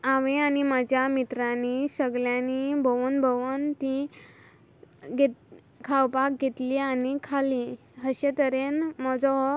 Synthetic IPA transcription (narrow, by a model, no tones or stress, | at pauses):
aʋẽanimad͡ʑʱjamit̪ɾanisəɡljãnibʱəʋənbʱəʋənt̪ĩ | ɡʱe | kʰawpak̚ɡʱet̪lianikʰali | ɦəɕẽt̪əɾenmɔd͡zɔɦ